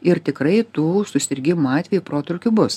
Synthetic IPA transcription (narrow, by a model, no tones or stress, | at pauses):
ɪɾt̪ʲɪkɾɐɪt̪uːsʊsʲɪɾʲɡʲɪmuɑːt̪ʲʋʲɛjuːpɾoːt̪ɾʊkʲuːbʊs